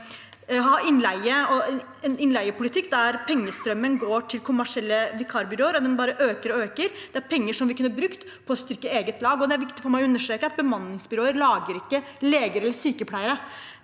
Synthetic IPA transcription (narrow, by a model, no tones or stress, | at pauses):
ɦɑːɪnlæɪəɔ | ɛnɪnlæɪəpʰʊlɪt̪ʰɪkːd̪æɾpʰɛŋːəst̪ɾœmːənɡoːʈʰɪlkʰʊmæʂɪɛlːəʋɪkʰɑɾbʏɾoːəɾɔd̪ɛnbɑːɾəʔøːkəɾɔøːkəɾd̪̥ɛæɾpʰɛŋːəʂɔmʋɪkʰʉnːəɾbɾʉkt̪ | pʰɔst̪ʏɾkːəeːɡət̪lɑːɡɔd̪ɛæɾʋɪkt̪ɪfɔɾmæɪɔʉnːəʂʈɾeːkəɑt̪̚bəmɑnːɪŋsbʏɾoːəɾlɑːɡəɾɪkːəleːɡəɾɛlːəsyːkəpʰlæɪəɾə